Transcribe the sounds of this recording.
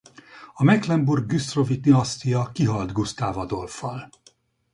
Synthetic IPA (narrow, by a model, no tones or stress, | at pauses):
ɒmɛklɛmburɡ̚ɡyst̪rovit̪niɒst̪ijɒkiɦɒld̪ɡust̪aːvɒd̪o̞lfɒl